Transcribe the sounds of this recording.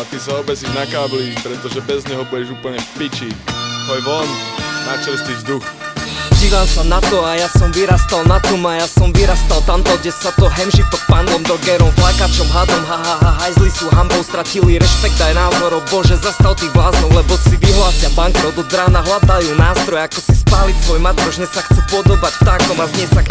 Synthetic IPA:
at̪isaɔbɛsiʒnakaːblipɾɛt̪ɔʒɛbɛzɲɛɦɔbuɟɛʒuːpl̩ɲɛfpit͡ʃiɦɔjʋɔnːat͡ʃɛɾst̪iːzd̪uxɟiːʋamsanat̪ɔajasɔmʋiɾast̪alnat̪ɔmajasɔmʋiɾast̪alt̪amt̪ɔɡɟɛsat̪ɔɦɛmʒit̪ɔk̚panlɔmd̪ɔɡɛɾɔmvlakat͡ʃɔmɦad̪ɔmɦaɦaɦaɦajzlisuɦambɔʊst̪ɾaciliɾɛʃpɛkt̪ajnaːzɔɾɔbɔʒɛzast̪alt̪iːɣblaːznɔwlɛbɔsiʋiɦlaːsɪabaŋkɛɔd̪ɔd͡zɾaːnaɦlad̪ajunaːst̪ɾɔjɛakɔsispaːlit̪sʋɔjmat̪kɔʒɲɛsaxt͡sɛpʊɔd̪ɔbacft̪akɔmazɲɪɛsak

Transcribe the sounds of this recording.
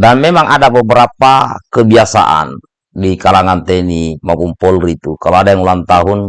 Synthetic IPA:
danmɛmaŋʔadabəbəɾapakəbiasa̰ʔa̰n | dikalaŋant̪ɛnimakumpɔlrit̪ukaloadajaŋulant̪aɦun

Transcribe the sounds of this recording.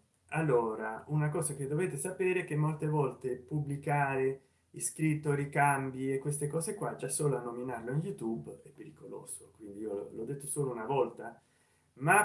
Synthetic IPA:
alːoːɾaunakɔːzak̟ed̪ːoveːt̪esapeːɾeɛk̟emːolt̪evɔlt̪epubːlikaːɾe | iskɾit̪ːoɾikambiekːwest̪ekɔːzekwad͡ʒasːoːloanːominarloinjut̪ubɛpːeɾikolo̰ːz̥okwind̪iiːolod̪ːet̪ːosoːlounavɔlt̪a | ma

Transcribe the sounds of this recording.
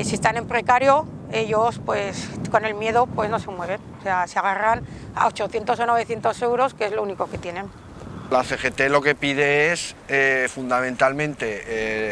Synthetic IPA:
sie̞st̪ane̞mpɾe̞kaɾjo̞ | e̞ʎo̞spwe̞sko̞ne̞lmje̞ðopwe̞zno̞se̞mwe̞β̞e̞nose̞aseaɣ̞aran | a̰ot͡ʃo̞θje̞nt̪o̞sono̞β̞e̞θjent̪o̞se̞wɾo̞skeezlouniko̞ke̞t̪je̞nẽ̞n | laθexe̞t̪e̞lo̞ke̞pið̞eesefund̪amẽnt̪almẽ̞nt̪e̞

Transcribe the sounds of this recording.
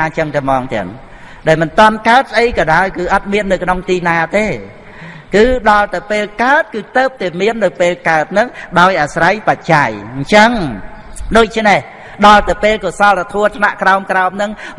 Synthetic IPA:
aːt͡ɕəŋt̪ɛmɑːŋt̪ɛ̰̆ən | ɗaɛlmɨnt̪ŏənkaət̪̚səʔəjkɑɗaɔjkɨːʔɑt̪̚miənːɨwkʰnoŋt̪iːnaːt̪eː | kɨːɗɑlt̪ɨwpeːlkaət̪̚kɨːt̪əːp̚t̪ɛmiənːɨwpeːlkaət̪̚nɨŋɗaɔjʔaːsrajpac̚t͡ɕajɲt͡ɕəŋ | ɗoːc̚t͡ɕʰneh | ɗɑlt̪ɨwpeːlkoːsɑlat̪ʰuət̪ʰnaʔkraɔmkraɔmnɨŋ

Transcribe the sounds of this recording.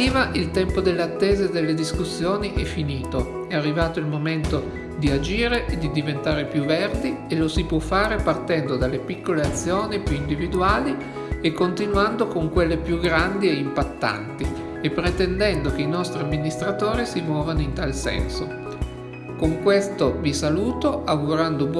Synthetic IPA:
iːvaʔilt̪ɛmpod̪elːeat̪ːeːzed̪elːed̪iskusːjoːniʔɛfːiniːt̪o | ɛarːivaːt̪oilmoment̪o | d̪iad͡ʒiːɾeʔed̪id̪ivent̪aːɾepjuvːerd̪ielosipwɔfːaːɾepart̪ɛnd̪od̪alːepikːoleat̪sːjoːnipjuind̪ivid̪uaːli | ekːont̪inwand̪okoŋkwelːepjuɡɾand̪ieimpat̪ːa̰nt̪i | epːɾet̪ɛnd̪ɛnd̪okeinɔst̪ɾiamːinist̪ɾat̪oːɾisimɔːvanoint̪alsɛ̰nso̰ | koŋkwest̪ovisaluːt̪oʔaɡuɾand̪ob

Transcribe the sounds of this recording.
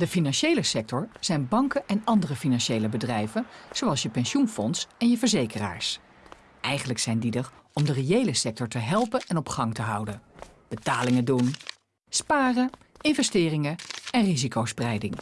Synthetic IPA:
dəfinɑnʃejləsɛk̚tɔɹz̥ɛjnbɑŋkəʔɛnɑndərəfinɑnʃejləbədrɛjvənz̥owɑlˠsjəpɛnʃunfɔnsɛnjəvəɹzejkəra̰ːɹs | ʔɛjχənləksɛjndidərɔmdərejejləsɛk̚tɔɹtəɦɛlˠpənɛnɔpχɑŋtəɦɑwdən | b̥ətaːlɪŋədun | spaːrə | ɪnvɛstɪːrɪŋəɛnrizikowsprɛjdɪŋ

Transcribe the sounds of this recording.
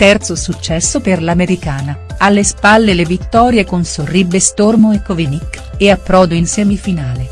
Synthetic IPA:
t̪ɛrt̪sosut͡ʃːɛsːoperlameɾikaːnaalːespalːelevit̪ːɔːɾjekonsoribːest̪ormoekːovinikːeapːɾɔːd̪oinsɛmifinaːle

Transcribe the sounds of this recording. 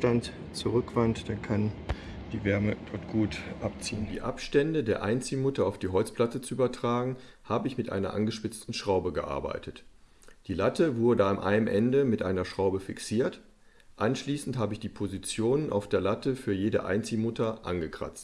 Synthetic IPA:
tant | t͡suʁʏkv̥antd̥ankʰan | d̥iːvɛɐməd̥ɔɐt̚ɡ̥uːtʔap̚t͡siːʊnmdḭːʔapʃtɛndədeːɐʔaɪnt͡siːmʊtɐaʊfd̥iːɦɔlt͡splatət͡suʔyːbɐtʁ̥aːɡŋ̩haːbəɪçmɪtʔa̰ɪnɐ̰ʔa̰nɡəʃpɪt͡stn̩ʃʁ̥aʊbəɡəʔa̰ɐba̰ɪtʰət | d̥iːlatʰəvʊɐdəamʔa̰ɪəmʔɛndəmɪtʔaɪnɐʃʁ̥aʊbəfɪksiːɐt | ʔanʃliːsn̩tɦaːbəɪçd̥iːpʰozit͡sjoːnənʔa̰ʊfd̥eːɐlatəfyːɐjeːdə̰ʔa̰ɪnt͡simʊtɐʔa̰nɡəkʁ̥a̰t͡st

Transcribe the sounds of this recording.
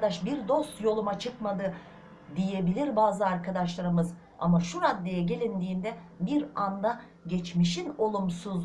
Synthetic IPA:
d̪aʃbiɾd̪o̞st̪jo̞lˠumat͡ʃʰɯkmad̪ɯ | d̪ije̞bilʲiɾbaːzɯaɾkʰad̪aʃlˠaɾɯmɯz | a̰maʃuɾad̪ːe̞jɛɟe̞lʲind̪iːnd̪ɛ | biɾand̪a | ɟɛt͡ʃmiʃino̞lˠumsuz

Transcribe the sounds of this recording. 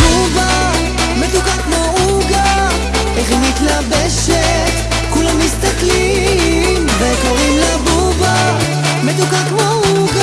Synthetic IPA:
uva | met̪ukakmou | ɡa | eχimit̪labɛʃe | t̪ | kulamhist̪akli | mvekoʁimlabuva | met̪̬ukakmouɡa

